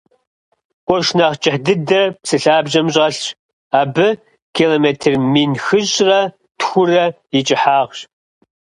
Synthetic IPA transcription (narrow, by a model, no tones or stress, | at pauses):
ʔʷɔʃnaʁt͡ʃʼɪħdɨdɐpsɨɬaːbʑɐmɕʼɐɬɕ | aːbɨ | kʰiloːmeːtʰɨrmiːnxɨʑrɐ | txʷʊrɐ | jɪt͡ʃʼɪħaːʁɕ